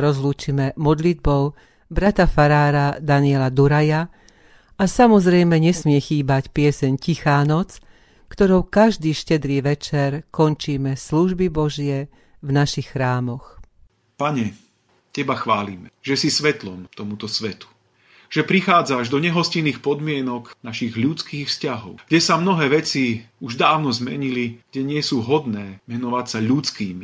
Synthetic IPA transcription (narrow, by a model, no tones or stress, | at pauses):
ɾɔzluːt͡ʃimɛmɔd̪lid̪̚bɔʊ | bɾat̪afaɾaːɾad̪anɪɛlad̪uɾaja | asamɔzɾɛjmɛɲɛsmɪɛxiːbacpɪɛsɛɲcixaːnɔt͡s | kt̪ɔɾɔʊkaʒd̪iːʃcɛd̪ɾiːʋɛt͡ʃɛɾkɔnt͡ʃiːmɛsluʒbibɔʒɪɛ | vnaʃixːɾaːmɔx | paɲɛ | cɛbaxʋaːlimɛʒ̥ɛsisʋɛt̪lɔmt̪ɔmut̪ɔsʋɛt̪u̥ | ʒ̥ɛpɾixaːd͡zaʒd̪ɔɲɛɦɔsciniːxpɔd̪mɪɛnɔknaʃiɣʎut͡skiːxfscaɦɔ̰ʊɡ̥ɟɛsamnɔɦɛːʋɛt͡siuʒd̪aːʊnɔzmɛ̰ɲiliɡ̥ɟɛɲɪɛsuːɦɔd̪nɛːmɛnɔʋacsaʎut͡skiːmi